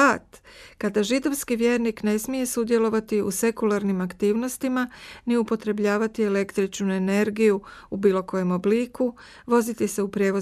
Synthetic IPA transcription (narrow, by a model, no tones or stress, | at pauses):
at̪kad̪aʒid̪o̞ʋskiʋje̞ːɾnikne̞smije̞sud̪je̞lo̞ʋat̪iṵse̞kulaɾnimakt̪iːʋno̞st̪imaniupo̞t̪ɾe̞bʎaːʋat̪ie̞le̞kt̪ɾit͡ʃnue̞ne̞ɾɡijuubiːlo̞ko̞je̞mo̞bliːku | ʋo̞zit̪ise̞upɾje̞ːʋo